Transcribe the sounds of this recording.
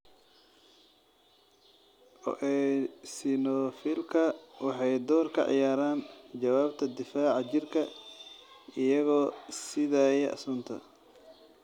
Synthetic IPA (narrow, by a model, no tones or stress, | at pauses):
ʔɔ̰ʔɛsɪnɔfilkʰɐwɑħɑjd̪ɔːrkʰɐ̰ʕɑ̰jaːɾaːnt͡ʃɐwaːbt̪ʰɐd̪ɪfaːʕɑt͡ʃɪrkʰɐ | ɪjɐɣɔːsɪðaːjɛʔɐ̰sʊːnt̪ʰɐ̰